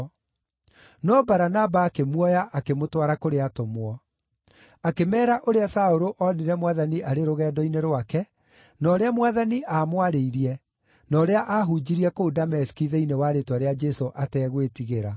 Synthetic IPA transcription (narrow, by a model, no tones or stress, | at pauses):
nɔbaɾanabaːkemwɔjaʔakemotwaɾakoɾeatomwɔ | akemɛːɾaʔoɾeasaoɾoʔɔniɾɛmwaðaniʔaɾeɾoɣɛːdɔineɾwakɛ | nɔːɾeamwaðaniʔamwaɾeiɾiɛ | nɔːɾeaʔaɦud͡ʑiɾiɛkodamɛskiðɛinewaɾetwaɾead͡ʒɛsoʔatɛːɣwetiɣeɾa